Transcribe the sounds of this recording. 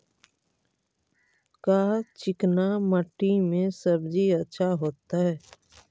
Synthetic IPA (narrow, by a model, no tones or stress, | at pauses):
kaːt͡ʃɪknaməʈːimẽsəbd͡ʒiətːʃʰaɦoːt̪aɦɛː